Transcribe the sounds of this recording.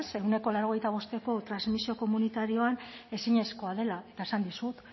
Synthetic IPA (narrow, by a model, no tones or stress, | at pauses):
se̞wne̞ko̞lawɾo̞ɣ̞e̞jt̪aβ̞o̞st̪e̞ko̞t̪ɾazmisio̞ko̞munit̪aɾio̞ane̞siɲe̞sko̞að̞e̞lat̪aesand̪isut̪